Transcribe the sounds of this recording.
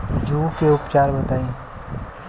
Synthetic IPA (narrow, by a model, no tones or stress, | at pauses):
d͡ʒuːkeʊpt͡ʃaːɾbɐt̪aːẽ